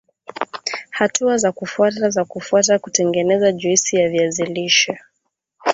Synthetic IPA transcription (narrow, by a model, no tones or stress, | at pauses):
hatʰuazakufuatazakufuatakutɛŋɡɛnɛzaʄuisijaviaziliʃɔ